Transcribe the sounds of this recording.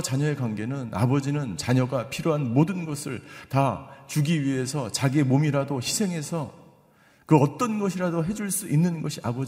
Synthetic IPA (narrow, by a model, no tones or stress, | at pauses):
t͡ɕaɲʌe̞kwanɡe̞nɯna̰bʌd͡ʑinɯnt͡ɕaɲʌɡapʰiɾjoɦanmodɯnɡʌsʰɯɭtat͡ɕuɡiɥiɦe̞sʰʌt͡ɕaɡiemomiɾadoçisʰe̞ŋɦe̞sʰʌ | kɯʌt͈ʌnɡʌɕʰiɾadoɦe̞d͡ʑuɭs͈uʔinːɯnɡʌɕʰiabʌd͡ʑ